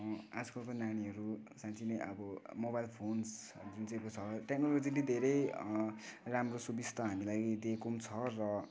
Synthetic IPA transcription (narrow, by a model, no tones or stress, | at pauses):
ad͡zʌkʌkonaniɦʌɾusãt͡sʰinejʌ̰bʌmobajlpʰons | d͡zunt͡saj̃kot͡sʰʌʈeknolod͡zilid̪ʱeɾej | ramrosubist̪ʰʌɦamilaɡid̪ekomt͡sʰʌrʌ